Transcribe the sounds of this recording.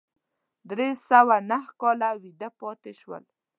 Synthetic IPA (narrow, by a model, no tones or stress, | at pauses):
d̪ɾesawanahkɑlawid̪apɑt̪eʃwə̰l